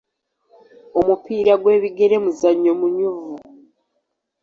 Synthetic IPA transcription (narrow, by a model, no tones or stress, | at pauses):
omupiːɾaɡwe̞ːβiɡe̞ɾe̞muzaɲomuɲuvu